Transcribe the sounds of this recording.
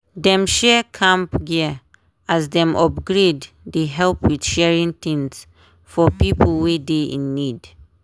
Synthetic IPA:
dɛ̃mʃɛkʰãmpɡi | asdɛ̃mʔɔp̚ɡɹedː | əɦɛlpwidʃɛɹĩŋtĩŋs | fɔpipʰl̩ˠwideḭ̃nːid

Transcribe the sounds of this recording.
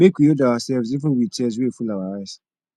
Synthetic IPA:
mekʰijodaasɛvsifɔ̃wit͡ʃʰɛs̬wefulawaɾas

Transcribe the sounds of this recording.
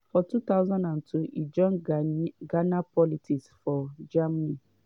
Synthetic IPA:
fɔtut̪awzãndãntʰuʔid͡ʒɔ̃n | ɡanapʰɔlitʰiksfɔd͡ʒamani

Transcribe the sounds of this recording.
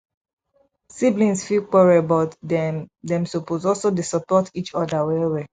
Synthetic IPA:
siblĩnsfilkɛɹɛbɔtdɛdɛ̃msopozɔlsodesɔpɔtit͡ʃɔdawɛwɛ

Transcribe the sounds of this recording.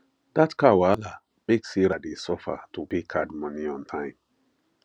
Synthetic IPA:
d̥atkawala | beksiɾadesɔfa̰tupekʰadmɔ̃niɔ̃ntʰãɪ̃m

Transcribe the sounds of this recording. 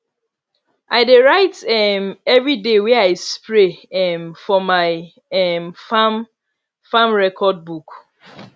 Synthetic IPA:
ʔaɪdeɹaɪtɛmɛvɹidewɛaɪspɹeɛmfɔmaɪ | ɛmfam | fãmɹɛkʰɔd̚buk

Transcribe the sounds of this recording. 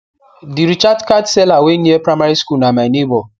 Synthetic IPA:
diɾit͡ʃadkadselaweniepɾamaɾiskulnamanibɔ

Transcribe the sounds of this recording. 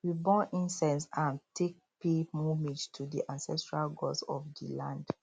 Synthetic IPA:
wibɔ̃nʔĩnsɛ̃nsãntʰek̚pemumĩd͡ʒtʰudḭʔãnsɛstɹalɡɔsɔ̰fdḭlãnd̥

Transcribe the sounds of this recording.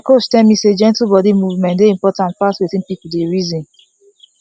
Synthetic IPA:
akot͡ʃtɛlmised͡ʒɛ̃ntl̩ubɔdimuvmɛ̃ndeĩmpɔtãnt̚patwitĩnpipudeɹizĩn

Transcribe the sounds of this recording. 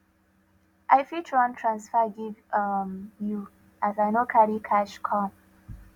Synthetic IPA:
ʔajfitʰɹãntʰɹãnsfaɡivmju | ʔazajnokʰaɾikʰaʃkʰɔ̃m

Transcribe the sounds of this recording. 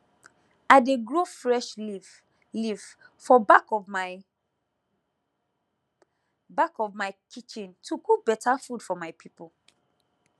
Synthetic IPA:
aɪdeɡɹofɹɛʃ | livfɔbakɔm | bakɔvmaɪkʰit͡ʃĩntʰuɡubɛtʰafudfɔmaɪpʰipo

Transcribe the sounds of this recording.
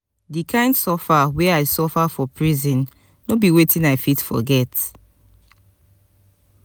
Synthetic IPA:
dikʰãɪ̃ndsɔfawɛaɪsɔfafɔpʰɹizĩnː | obiwetĩnaɪfitfɔ̰ɡɛt

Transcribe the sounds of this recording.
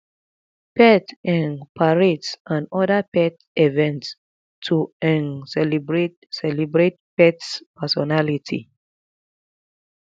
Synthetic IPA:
pɛtɛ̃npʰaɹetsãnɔdapɛt | evɛ̃nts | tʰːuɛ̃nɛbɹet | sɛlibɹet̚pɛtspʰɛsɔnalitʰḭ

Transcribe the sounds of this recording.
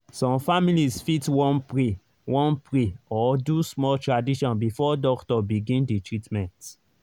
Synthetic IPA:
sɔ̃mfamilizfitwɔ̃npɹi | wɔ̃npʰɹiɔdusmɔltɹadiʃɔ̃nbifɔdɔktɔbiɡĩndetʰɹitmɛ̃nt

